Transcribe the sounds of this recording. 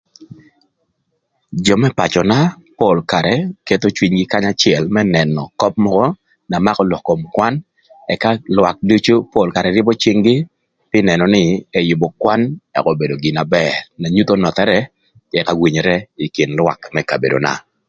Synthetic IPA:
d͡ʒɔ˨mɛ˦pa˨t͡ʃɔ˨na˦po˦˨lka˨ɾɛke˦t̪o˦t͡ʃwi˨ɲɡɪ˦ka˦ɲa˦t͡ʃɪɛ˨lmɛ˦nɛ˨nɔ˨kɔ˦p̚mɔ˦kɔ˦ | na˨ma˦kɔ˦lɔ˨kːo˨mkwa˦n | ɛ˨ka˦lwa˨k̚du˦t͡ʃo˦po˦lka˨ɾɛ˨ɾɪ˦bɔ˦t͡ʃi˦ŋɡɪ˦ | pɪ˦nɛ˨nɔ˨nɪ˦ɛ˦jʊ˨bɔ˨kwa˦nɛ̰˨kɔ˦be˨do˨ɡɪ˨na˨bɛɾna˨ɲu˦t̪o˦nɔ˨t̪ɛ˦ɾɛ˦ | ɛ˨ka˨wi˨ɲɾɛ˦i˨kɪ˨nlwa̰˨kmɛ˦ka˨bḛ˨do̰˨na̰˨

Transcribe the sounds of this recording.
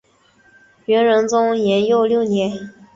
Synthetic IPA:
ɥɛ˧˥nɻə˧˥nt͡sʊ˥ŋjɛ˧˥njo˥˧ʊljo˥˩ʊnjɛ˧˥n

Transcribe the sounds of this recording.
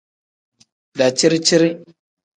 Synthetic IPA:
da˨t͡ʃi˦ɾi˦t͡ʃi˦ɾi˦

